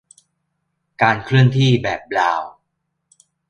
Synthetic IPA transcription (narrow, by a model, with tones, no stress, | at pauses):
kaː˧nkʰɾɯ˥˩əŋt̪ʰiː˥˩bɛː˨˩p̚laː˧w